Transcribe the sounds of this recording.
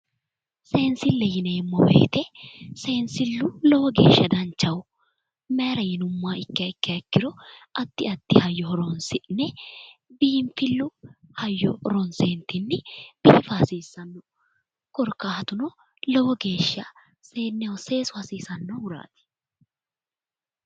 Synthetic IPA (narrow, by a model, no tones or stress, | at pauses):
se̞ːnsɪlːɛjɪnɛmːɔbḛːt̪ɛse̞ːnsɪlːʊlɔwɔɡe̞̰ːʃːɐd̪ɐnt͡ʃːɐw | meːɾɐjɪnʊmːaːɪkːɪɐɪkːɪɐkːɪɾɔɐt̪ːɪɐt̪ːɪhɐjːɔhɔɾɔnsɪnːɛbiːmfɪlːʊhɐjːɔ̰ɾɔnseːnt̪ːɪnːɪb̥iːfɐɐsiːsːɐnːɔ | kɔɾkːaːhɐt̪ʊnɔ | lɔwɔɡe̞ːʃːɐ | se̞ːnːɛwɔse̞ːsʊhɐsiːsɐnːɔwʊɾa̰ːt̪ɪ̥